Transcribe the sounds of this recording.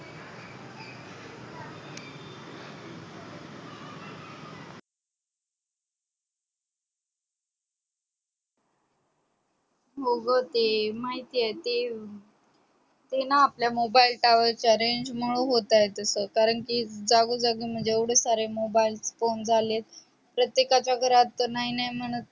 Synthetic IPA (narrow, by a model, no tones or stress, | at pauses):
ɦoɡət̪emaɦit̪iːjet̪e | t̪enaːpljamobailʈaʋəɾt͡ɕaɾeɲd͡ʑmoɭuɦot̪ajet̪əsəkaɾəɳkid͡zaɡud͡zaɡim̤əɳd͡zeeʋɽesaɾemobailsfond͡zʱalet̪̚ | pɾət̪jekat͡ɕjaɡʱəɾat̪naɦinajm̤əɽ̃ət̪̚